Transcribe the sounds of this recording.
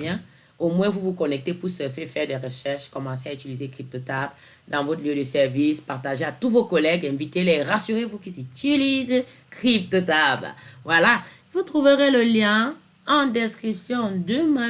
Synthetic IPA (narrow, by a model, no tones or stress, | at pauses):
jɛ̃ | omwɛ̃vuvukɔnɛk̚t̪epuʁsəfefɛʁd̪eʁəʃɛʁʃkɔmɑ̃seayt̪ilizekχip̚t̪ot̪abl | d̪ɑ̃vɔt̪ljød̪əsɛʁvispaʁt̪aʒeat̪uvokɔlɛɡɛ̃vit̪eleʁasyʁevukilzit̪iliz | kχip̚t̪ət̪ablvwala | vut̪χuvəʁeləljɛ̃ | ɑ̃d̪ɛskχipsjɔ̃d̪əmɛ̃